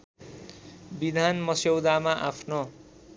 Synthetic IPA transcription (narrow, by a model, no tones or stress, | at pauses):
bid̪ʱanmʌsewd̪amaʔapʰno